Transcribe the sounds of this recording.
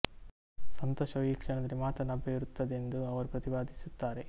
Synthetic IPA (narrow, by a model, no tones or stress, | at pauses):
sɐnt̪ɔːʃɐjikʂɛnɐd̪ɐɾimaːt̪ɐnɐbːeiɾut̪ːɐd̪e̞nd̪uɐʋɐɾupɾɐt̪ibaːd̪isut̪ːaːɾe̞